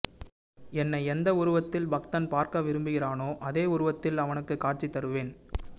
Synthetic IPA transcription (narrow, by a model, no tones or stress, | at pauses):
ɛnːɐɪɛnd̪ɐʊɾɯʋɐt̪ːɪlbɐkt̪ɐnpaːɾkɐʋɪɾɯmbɯɣɪraːnoːʔɐðeːʊɾɯʋɐt̪ːɪlɐʋɐnɯkːɯkːaːʈ̚t͡ʃit̪ːɐɾɯʋeːn